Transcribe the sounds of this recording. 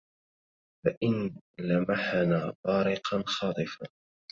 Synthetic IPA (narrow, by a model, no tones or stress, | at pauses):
faʔɪnlamaħanaːbɑːɾɪqɑnxɑːt̪ˤɨfaː